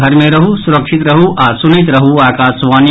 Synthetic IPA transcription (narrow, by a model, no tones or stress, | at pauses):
ɐɾmẽɾɐɦusuɾɐkʂit̪ɾɐɦuʔaːsunit̪ɾɐɦuaːkaːsʋaːnj